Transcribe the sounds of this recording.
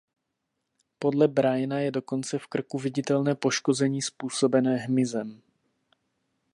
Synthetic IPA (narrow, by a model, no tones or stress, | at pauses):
po̞dlɛbɾajnajɛdo̞ko̞nt͡sɛfkr̩kuvɪɟɪt̪ɛlnɛːpo̞ʃko̞zɛɲiːspuːso̞bɛnɛːɦmɪzɛm